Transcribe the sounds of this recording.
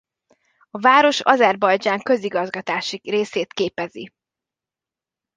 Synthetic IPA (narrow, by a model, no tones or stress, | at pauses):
ɒvaːɾo̞ʃɒ̰zɛrbɒjd͡ʒaːŋkø̞ziɡɒzɡɒt̪aːʃireːseːt̪keːpɛzi